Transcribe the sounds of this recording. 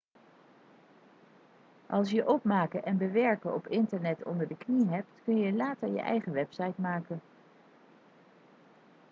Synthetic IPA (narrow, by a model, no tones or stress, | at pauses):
ʔɑlˠsjəʔɔp̚maːkəʔɛnbəʋɛɹkəɔpɪntəɹnɛtɔ̰ndəɹdəkniɦɛp̚tkɵnjəlaːtəɹjə̰ʔɛ̰jχəʋɛpsɑjtmaːkən